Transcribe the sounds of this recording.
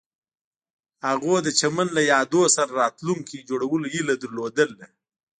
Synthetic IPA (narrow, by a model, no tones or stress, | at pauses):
haɣod̪ət͡ʃamanlajɑd̪osaɾaɾɑt̪luŋkid͡ʒoɽawəlojilad̪əɾlod̪əld̪e